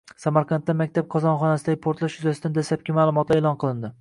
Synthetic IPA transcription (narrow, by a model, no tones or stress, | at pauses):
samaɾqʰɑnt̪ːamakʲt̪ab̚qʰɒzɒnχɒnasɪd̪aɡʲɪpʰoɾt̪laʃjyzasɪd̪and̪aslap̚kʲʰɪmaːlˠʊmɒt̪laeːlˠɒnqʰɨlˠɪnd̪ɪ